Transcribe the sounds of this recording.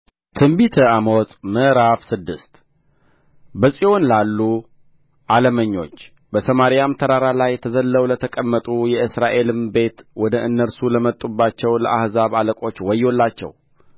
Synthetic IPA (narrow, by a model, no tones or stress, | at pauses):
t̪ʰɨmbit̪ʰəaməwɔsʼməɾafsɨd̪ːɨst̪ | bəsʼio̞nlalːu | ʔaləməɲːo̞̰t͡ʃː | bəsəmaɾijamt̪ʰəɾaɾalajːɛt̪ʰəzəlːəwlət̪ʰəkʼəmːət̪ʼujɛɨsɾaʔe̞lɨmbe̞t̪wɔd̪əʔɨnːəɾsuləmət̪ʼːubːat͡ʃːɛwlə̰ʔahzaβaləkʼo̞t͡ʃːwɔjːolːat͡ʃːɛ̰w